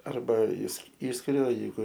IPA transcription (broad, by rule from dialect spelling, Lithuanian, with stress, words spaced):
ˈɐrbɐ ɪs ˈiːʃʲsʲkʲɪrʲʊ ɐ jɛɪˈɡʊ